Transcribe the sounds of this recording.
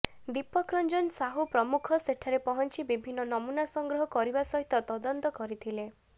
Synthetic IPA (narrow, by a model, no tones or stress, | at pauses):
d̪ipɔkɾɔnd͡ʒɔnsaɦupɾɔmukʰɔseʈʰaɾepɔɦɔnt͡ʃibibʱinːɔnɔmunasɔŋɡɾɔɦɔkɔɾibasɔɦit̪ɔt̪ɔd̪ɔnt̪ɔkɔɾit̪ʰile